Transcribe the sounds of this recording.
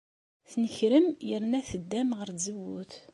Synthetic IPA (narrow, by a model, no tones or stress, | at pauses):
θnəçɾəmjəɾnæθəd̪ːæmʁəɾzəwuθ